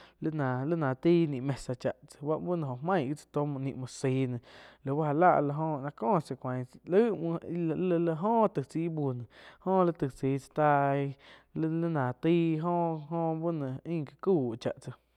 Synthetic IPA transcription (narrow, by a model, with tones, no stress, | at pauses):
lə˦nã˨lə˦nã˨t̪iː˦˧nĩ˧˨ʔmẽ˧sa˧t͡ʃa˨ʔt͡sə̥˧wa˦ʔbu˦nẽ˧ɦo˨hmã˦˨ɡi˦t͡sə̥˧t̪o˦mũ˧ʔnḭ̃˧ʔmũ˧˨siː˨˧˦nẽ˨lə˨wa˦ha˧la̰˦˧ʔla˧ɦõ˧nã˧kõː˦˨t͡se˧kʷã˨lə˦m˧lə˧ɦõː˦˧t̪ɨ˧˨t͡si˧˦bu˧nẽ˨hõː˦lə˦t̪ɨ˧˨t͡siː˨˧˦t͡sə̥˧t̪a˧ | lə˦nã˨t̪iː˦ɦõː˦ɦõ˦bu˦nə̃˨ĩ˦˧ka˧kuː˦˨t͡ʃa̰˨ʔt͡sə˧